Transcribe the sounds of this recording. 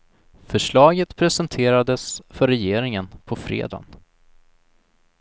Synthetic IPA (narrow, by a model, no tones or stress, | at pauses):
fœʂɭɑːɡət̪pʰɾɛsɛnt̪ʰeːɾad̪əsfœɾːɛjeːɾɪŋənpʰɔfɾḛːd̪a̰n